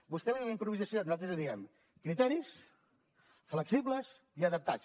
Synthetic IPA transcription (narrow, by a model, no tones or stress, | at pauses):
busk̪ɛmuunəimpɾuβizəsionuzalt̪ɾəzðiɛm | kɾit̪ɛɾis | fləksiβləsiəðəp̚t̪at͡s